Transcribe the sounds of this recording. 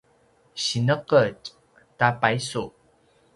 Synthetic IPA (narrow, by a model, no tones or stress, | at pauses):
ɕinəqət͡ɕ | tapajsu